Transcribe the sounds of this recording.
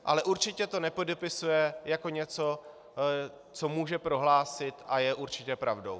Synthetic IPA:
ʔa̰lɛʔuɾt͡ʃɪcɛt̪o̞nɛpodɛpɪsujɛjako̞ɲɛt͡so̞ | t͡so̞muːʒɛpɾo̞ɦlaːsɪt̪ʔajɛʔuɾt͡ʃɪcɛpɾavdo̞̰w

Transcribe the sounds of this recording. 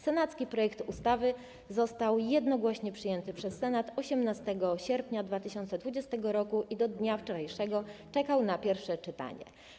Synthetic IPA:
sɛnat̪skʲipɾɔjɛkt̪ust̪avɘ | zɔst̪awjɛd̪nɔɡwɔɕɲɛpʂɘjɛnt̪ɘpʂɛsːɛnat̪ɔɕɛmnast̪ɛɡɔɕɛɾpʲɲad̪vat̪ɘɕɔnt̪sɛd̪vud͡ʑɛst̪ɛɡɔɾɔkuʔid̪ɔd̪ɲaft͡ʂɔɾajʂɛɡɔt͡ʂɛkawnapʲjɛɾfʂɛt͡ʂɘt̪a̰ɲɛ̰

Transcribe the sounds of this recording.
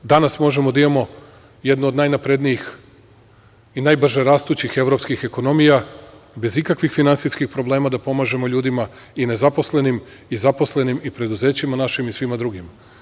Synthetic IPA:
d̪anasmo̞ʒe̞mo̞d̪aimamo̞ | je̞d̪nood̪najnapɾe̞d̪nijix | inajbr̩ʒeɾaːst̪uːt͡ɕixe̞ʋɾo̞pskixe̞ko̞no̞mijabe̞zikakʋixfinant̪siskixpɾo̞ble̞ːmad̪apo̞maːʒe̞mo̞ʎuːd̪ima | ine̞zapo̞sle̞nim | izapo̞sle̞nimipɾe̞d̪uze̞ːt͡ɕimanaʃimisʋimad̪ɾuɡima

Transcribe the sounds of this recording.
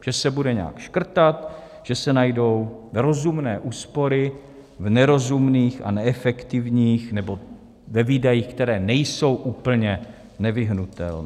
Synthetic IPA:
ʒ̥ɛsɛbudɛɲɛ̰a̰kʃkr̩t̪at̪ | ʒ̥ɛsɛnajdo̞wvɾo̞zumnɛːʔuːspo̞ɾɪ | vnɛɾo̞zumniːxa̰nɛɛfɛkt̪ɪvɲiːxnɛbo̞ | vɛviːdajiːxkt̪ɛɾɛːnɛjso̞wʔuːpl̩ɲɛ | nɛvɪɦnut̪ɛ̰lnː

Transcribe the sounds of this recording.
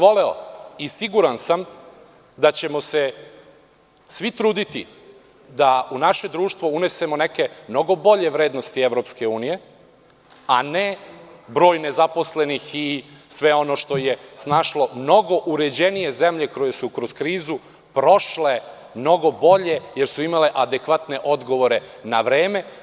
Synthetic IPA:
ʋo̞leo̰isiɡuɾansam | d̪at͡ɕe̞mo̞se | sʋit̪ɾuːd̪it̪ḭ | d̪aunaʃe̞d̪ɾuːʃt̪ʋoune̞se̞moneke̞mno̞ɡo̞bo̞ʎe̞ʋɾeːd̪nost̪ieʋɾo̞pske̞uːnije̞ | anebɾo̞ːjnezapo̞sle̞nixisʋeo̞no̞ʃt̪o̞je̞snaːʃlo̞mno̞ɡo̞ʔuɾed͡ʑe̞nije̞zemʎe̞kojesukɾo̞zkɾiːzu | pɾo̞ʃle | mno̞ɡo̞bo̞ʎe̞jeɾsuimale̞ʔad̪ekʋat̪ne̞ʔo̞d̪ɡo̞ʋo̞ɾe̞naʋɾe̞ːme̞

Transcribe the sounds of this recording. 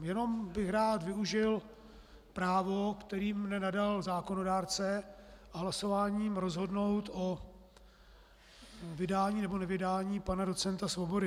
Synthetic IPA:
jɛno̞mbɪxɾaːt̪vɪuʒɪl | pɾaːvokt̪ɛɾiːmnɛnadalzaːko̞no̞daːɾt͡sɛaɦlaso̞vaːɲiːmɾo̞zɦo̞dno̞wt̪o | vɪdaːɲiːnɛbo̞nɛvɪdaːɲiːpanado̞t͡sɛnt̪asvobo̞dɪ

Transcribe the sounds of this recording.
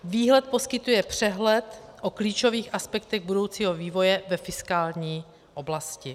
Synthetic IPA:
viːɦlɛt̪̚po̞skɪt̪ujɛpr̝̥ɛɦlɛt̪ʔokliːt͡ʃo̞viːxʔaspɛk̚t̪ɛɣbudo̞wt͡siːɦo̞viːvo̞jɛvɛfɪskaːlɲiː | ʔo̞blascɪ

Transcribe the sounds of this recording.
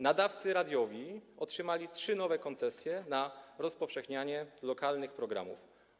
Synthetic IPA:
nad̪aft̪sɘɾad̪ʲjɔvʲiɔtʂɘmalʲitʂɘnɔvɛkɔnt̪sɛsʲjɛnaɾɔspɔfʂɛxɲaɲɛlɔkalnɘxpɾɔɡɾa̰mṵf

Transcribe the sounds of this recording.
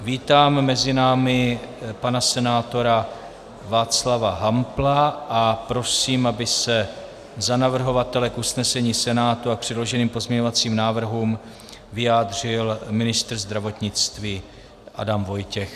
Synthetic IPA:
viːt̪aːmːɛzɪnaːmɪpanasɛnaːt̪o̞ɾa | vaːt͡slavaɦamplaʔapɾo̞siːmʔabɪsɛ | zanavr̩ɦo̞vat̪ɛlɛkʔusnɛsɛɲiːsɛnaːt̪uak̚pr̝̥ɛdlo̞ʒɛniːmpo̞zmɲɛɲovat͡siːmnaːvr̩ɦuːm | vɪjaːd̪r̝ɪlmɪnɪst̪r̩zd̪ɾavo̞t̪ɲɪt͡st̪viː | ʔa̰damvo̞jcɛx

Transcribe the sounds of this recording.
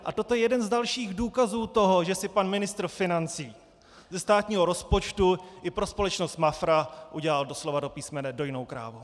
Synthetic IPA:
ʔat̪ot̪ojɛjɛdɛnzdalʃiːɣduːkazuːt̪o̞ɦo̞ʒɛsɪpanmɪnɪst̪ɾ̩fɪnant͡siː | zɛst̪aːt̪ɲiːɦo̞ɾo̞spo̞t͡ʃt̪uʔɪpɾospo̞lɛt͡ʃnost̪mafɾaʔuɟɛlaldo̞slo̞vado̞piːsmɛnɛdo̞jɪno̞wkɾa̰ːvo

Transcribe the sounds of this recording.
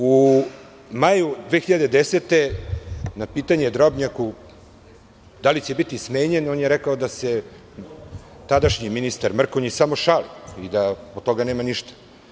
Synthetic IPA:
u | majud̪ʋeːxiʎad̪ed̪eset̪e̞ | napiːt̪aɲed̪ɾobɲaku | d̪alit͡ɕebit̪ismeːɲenoːnjeɾekaod̪ase | t̪ad̪aʃɲiminist̪aɾmr̩koɲisamo̞ʃaliid̪aot̪o̞ɡaneːmaniʃt̪ḁ

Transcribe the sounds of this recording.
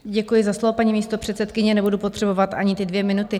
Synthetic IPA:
ɟɛkujɪzaslovopaɲimiːst̪o̞pr̝̥ɛt̪sɛt̪kɪɲɛnɛbudupo̞t̪r̥ɛbo̞vat̪ʔaɲɪt̪ɪdvjɛmɪnut̪ɪ

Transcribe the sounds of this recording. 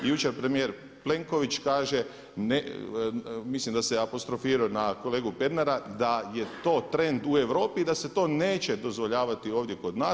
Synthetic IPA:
ijut͡ʃeɾpɾemijeɾ | ple̞ŋko̞ʋit͡ʃkaːʒe̞ | ne | mislimd̪aseapo̞st̪ɾo̞fiːɾaonako̞leːɡupe̞ɾnaɾad̪ajet̪o̞ːt̪ɾe̞nd̪ue̞ʋɾo̞ːpid̪ase̞t̪o̞ːne̞ːt͡ʃe̞d̪o̞zʋoʎaːʋat̪io̞ːʋd̪jeko̞d̪naː

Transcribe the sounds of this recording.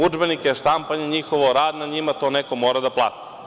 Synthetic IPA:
ud͡ʒbenikeeʃt̪ampaɲeɲixoʋoɾaːd̪nad̪ɲimat̪o̞neko̞moːɾad̪aplˠa̰ːt̪i̥

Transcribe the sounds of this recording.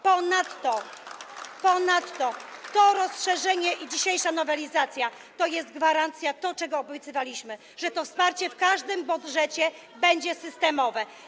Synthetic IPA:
pɔnat̪ːɔ | pɔnat̪ːɔt̪ɔɾɔsʂɛʐɛɲɛʔid͡ʑiɕejʂanɔvɛlʲizat̪sʲja | t̪ɔjɛsd̪̚ɡvaɾant̪sʲjat̪ɔt͡ʂɛɡɔːbɔjt̪sɨvalʲiɕmɘ | ʐɛt̪ɔfspaɾt͡ɕɛfkaʐd̪ɘmbud̪ʐɛt͡ɕɛ | bɛɲd͡ʑɛsɘst̪ɛmɔvɛ

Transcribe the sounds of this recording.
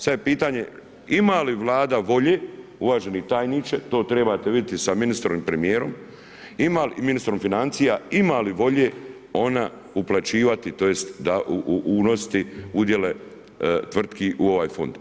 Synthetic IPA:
sad̪jepiːt̪aːɲe̞ | imaːliʋlˠaːd̪aʋo̞ʎeːuʋaːʒenit̪aːjniːt͡ʃet̪o̞ːt̪ɾe̞bat̪eʋid̪jet̪isaminist̪ɾoʋiːmpɾemijeːɾo̞m | imaliminist̪ɾo̞mfinant̪sijaimaːliʋo̞ʎeː | o̞na | uplˠat͡ʃiːʋat̪it̪o̞jest̪d̪aʔuʔʔuːno̞st̪iud̪je̞le | t̪ʋr̩t̪kiʔuo̞ʋaːjfo̞̰nd̪

